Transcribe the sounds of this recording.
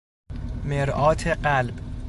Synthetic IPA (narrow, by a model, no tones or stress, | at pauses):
meɾʔɒːt̪ʰeɢælb